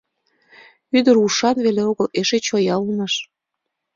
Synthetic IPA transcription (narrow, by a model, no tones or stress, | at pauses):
yd̪əɾuʃɑnβeleoɣəleʃet͡ɕojɑunəʃ